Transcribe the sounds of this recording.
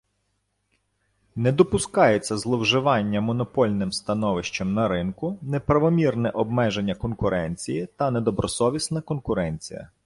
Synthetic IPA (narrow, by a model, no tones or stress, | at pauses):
nɛd̪ɔpʊskɑjet͡sʲːɐzlˠɔwʒɪʋɑnʲːɐmɔnɔpɔlʲnɪmst̪ɐnɔʋɪʃt͡ʃɐmnɐɾɪnkʊnɛpɾɐʋɔmʲirnɛʔɔbmɛʒenʲːɐkɔnkʊɾʔɛnʲt͡sʲijit̪ɐnɛd̪ɔbɾɔsɔʋʲisnɐkɔnkʊɾɛnʲt͡sʲḭjɐ̰